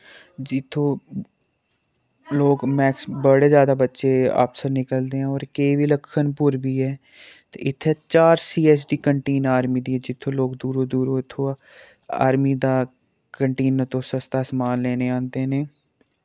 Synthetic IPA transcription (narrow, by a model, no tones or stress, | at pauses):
d͡ʒɪt̪ʰːõː | loːkmɛːksbəɽeːzjaːd̪aːbətːʃeːa̰ːpsəɾnɪkəld̪eːɦɛ̃ɔːɾkeːʋiːləkʰːənpʊɾbiːɦɛː | t̪ḛɪt̪ʰːeːt͡ʃaːɾsiːɛːsɖiːkəɳʈeːnaːɾmiːd̪iːɦɛːd͡ʒɪt̪ʰːõːloːkd̪uːɾoːd̪uːɾoːɪt̪ʰːõːa̰ːɾmiːd̪aː | kəɳʈeːnəɾt̪õːsəst̪aːsəmaːnlɛːneːãːnd̪eːneː